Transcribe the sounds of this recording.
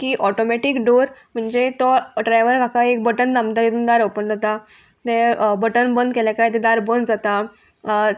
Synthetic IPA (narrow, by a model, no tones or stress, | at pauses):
kiːʔɔʈomɛʈikɖoɾm̤əɳd͡zet̪ɔɖɾajʋəɾkakaekbəʈənd̪amt̪ajet̪uːnd̪aɾopənd̪ʱət̪a | t̪ebəʈənbənd̪kɛljakajt̪ed̪aɾbənd͡zat̪a